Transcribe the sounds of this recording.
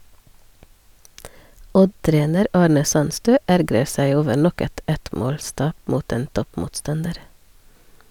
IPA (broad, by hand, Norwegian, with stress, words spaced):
ˈɔdˌtɾeːnəɾ ˈɑːɳə ˈsɑnstøː ˈæɾɡɾə ˈsæɪ ˈoːʋə ˈɳɔk ˈɛt ˈɛtˌmoːlˌstɑːp ˈmuːt ˈeːn ˈtɔpmuːtˌstɑndəɾ